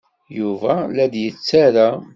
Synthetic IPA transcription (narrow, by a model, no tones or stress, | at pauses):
juvælæd̪jət͡sːaɾa